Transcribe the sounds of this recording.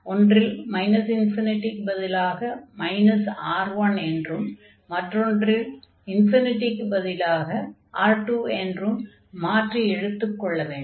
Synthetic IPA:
ɔndrɪlmɐɪnɐsɪnfɪnɪʈːɪkːɯbɐðɪlaːɣɐmɐɪnɐsaːɾʋɐnɛndrɯm | mɐʈrɔndrɪl | ɪnfɪnɪʈːɪkːɯbɐðɪlaːɣɐʔaːɾʈuːɛndrɯmː | aːʈriɛɻɯt̪ːɯkːɔɭːɐʋeːɳɖ

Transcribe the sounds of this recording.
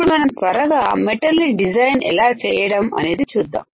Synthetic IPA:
ɽumɐnɐmt̪ʋɐɾɐɡaːmeʈɐɾliɖid͡ʒajnɛ̰laːt͡ʃɛːjɐɽɐmɐ̰ne̞ːd̪it͡ʃuːd̪ːa̰ːm

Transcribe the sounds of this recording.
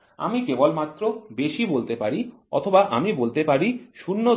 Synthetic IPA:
a̰mikebolmat̪ːɾobeʃibolt̪epaɾi | ɔ̰t̪ʰobaʔamibolt̪epaɾiʃunːo

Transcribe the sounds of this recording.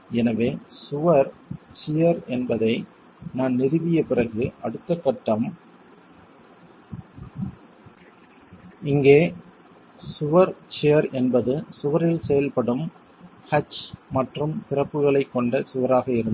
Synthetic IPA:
ɛnɐʋeːsʊʋɐɾt͡ʃɪjɐɾɛnbɐðɐɪ | naːnnɪɾɪʋɪjɐpɪrɐɣɯʔɐɽɯt̪ːɐkːɐʈːɐm | ɪŋɡeː | sʊʋɐɾt͡ʃejɐɾɛnbɐðɯsʊʋɐɾɪlsɛjɐlpɐɽɯm | hɐt͡ʃmɐʈrɯmt̪ɪrɐpːɯɣɐɭɐɪkːɔɳɖɐsʊʋɐɾaːɣɐɪɾɯnd̪

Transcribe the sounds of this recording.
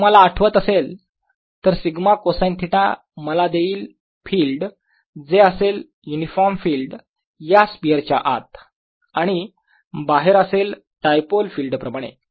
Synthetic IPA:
m̤əlaːʈʰʋət̪əsel | t̪əɾsiɡmakosajnt̪ʰiʈa̰ | məlad̪eiːl | filɖ | d͡zeəsel | junifɔɾmfiːlɖ | jaspiəɾt͡ɕa̰ʔa̰t̪̚ | aɽ̃i | baɦeɾəsel | ʈajpolfilɖpɾəmaɽ̃ḛ

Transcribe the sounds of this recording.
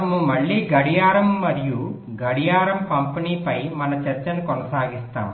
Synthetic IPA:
ɐmumɐɭːiːɡɐɽijaːɾɐmːɐɾiju | ɡɐɽijaːɾɐmpɐmpiniːpɐjmɐnɐt͡ʃɐɾt͡ʃɐnikɔnɐsaːɡist̪a̰ːm

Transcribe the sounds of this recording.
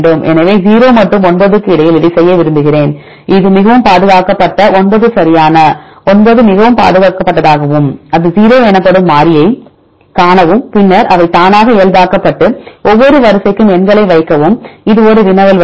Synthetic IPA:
ɳɖɯmʔɛ̰nɐʋeːziːɾoːmɐʈrɯmɔɳbɐðɯkːɯɪɽɐjɪlɪɽɪsɛjːɐʋɪɾɯmb̪ɯɣɪreːn | ʔɪðɯmɪɣɐʋɯmpaːðɯɣaːkɐpːɐʈːɐɔɳbɐðɯsɐɾɪjaːnɐ | ɔnboðɯmɪɣɐʋɯmpa̰ːðɯɣaːkɐpːɐʈːɐðaːɣɐʋɯmɐðɯziːɾoːɛnɐpːɐɽɯmːaːɾɪjɐɪ | kaːɳɐʋɯmpɪnːɐɾɐʋɐɪt̪aːnaːɣɐeːɭbaːkɐpːɐʈːɯʔɔʋːɔɾɯʋɐɾɯsɐkːɯmɛnɡɐɭɐɪʋɐɪkːɐʋɯmɪðɯɔɾɯʋɪnɐʋɐl

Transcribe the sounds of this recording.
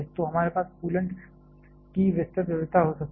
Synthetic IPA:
st̪oɦəmaɾepaːspuːləɳʈ | kiːʋəst̪ət̪ʋiʋɪt̪aɦosək̚t̪

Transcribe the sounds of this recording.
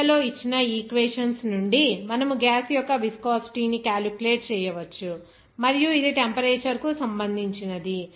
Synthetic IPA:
ɐlo̞ːit͡ʃːinɐiːkʋeːʂɐnsnuɳɖimɐnɐmuɡaːsjɔkːɐʋiskaːsʈiːnikaːlukuleːʈ̚t͡ʃɛːjɐʋɐt͡ʃːu | mɐɾijuid̪iʈempɐɾeːt͡ʃɐɾkusɐmbɐnd̪ʱiɲt͡ʃinɐd̪i

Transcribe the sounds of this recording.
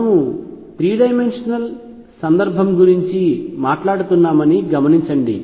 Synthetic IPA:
ut̪ɾiːɖɐjmenʂɐnɐl | sɐnd̪ɐɾbʱɐmɡuɾiɲt͡ʃimaːʈlaːɽut̪unːaːmɐniɡɐmɐniɲt͡ʃɐɳɖḭ

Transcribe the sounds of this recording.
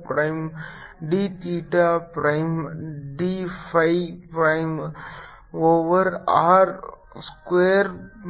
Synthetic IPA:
pɾaɪm | ɖit̪iːʈapɾaɪmɖifʰajpɾaɪm | oːʋəɾaːɾ | skʋeːɾ

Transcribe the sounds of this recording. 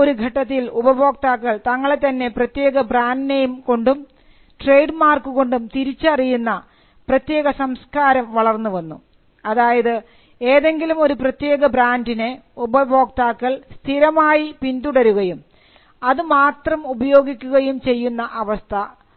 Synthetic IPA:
o̞ɾuɡʱɐʈːɐt̪ːilubɐbʱo̞ːk̚t̪aːkːɐɭt̪ɐŋːɐɭet̪ːɐnːe̞prɐt̪je̞ːɣɐbraːndinejumko̞ɳɖum | ʈrejɖmaːrkuɣo̞ɳɖumt̪iɾit͡ɕːɐrijunːɐ | prɐt̪je̞ːɣɐsɐmskaːɾɐmʋɐɭɐrnːuʋɐnːu | ɐðaːjɐðɨ | eːðe̞ŋɡilumo̞ɾuprɐt̪je̞ːɣɐbɾaːndineubɐbʱo̞ːk̚t̪aːkːɐɭst̪ʰiɾɐmaːjipind̪uɽɐɾuɣɐjum | ɐðɨmaːt̪rɐmubɐjo̞ːɡikʲːuɣɐjumt͡ɕe̞jːunːɐʔɐʋɐst̪ʰɐ

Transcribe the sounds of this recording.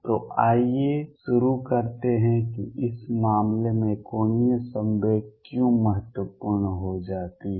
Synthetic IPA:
t̪oːʔaːjeʃʊɾukɐɾt̪eɦɛ̃kiʔɪsmaːmlemẽkoːniəsə̃mbekjũːmɐɦət̪wəpuɾɳnɦod͡ʒaːt̪iɦ

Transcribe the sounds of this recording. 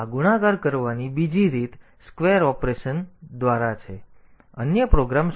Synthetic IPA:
aɡuɽaɡaɾkəɾʋanibid͡ʒiɾit̪ | skʋeɾɔpɾeʃənd̪ʋaɾat͡ʃʰe | ənjəpɾoɡɾam

